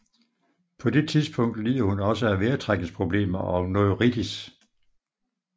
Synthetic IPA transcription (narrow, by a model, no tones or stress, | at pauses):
pʰɒ̽d̥e̝t͡sʰiðˠsb̥ʰɔ̽ŋ̰d̥lḭːð̰ˠɐhunɒ̽s̬əæʋeːɐt͡sʰʁaɡ̥n̩spʰʁo̝b̥le̝̰ːmɐʔɒ̽nɔðʁid̥is